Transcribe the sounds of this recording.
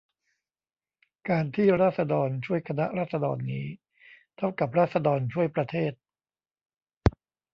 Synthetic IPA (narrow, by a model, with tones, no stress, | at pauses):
kaː˧nt̪ʰiː˥˩ɾaː˥˩t̪̚sa˧dɔː˧nt͡ɕʰu˥˩əjkʰa˧na˦˥ʔɾaː˥˩t̪̚sa˧dɔ̰ː˧nːiː˦˥ | t̪ʰa˥˩wka˨˩p̚ɾaː˥˩t̪̚sa˧dɔː˧nt͡ɕʰu˥˩əjpɾa˧t̪ʰeː˥˩t̪̚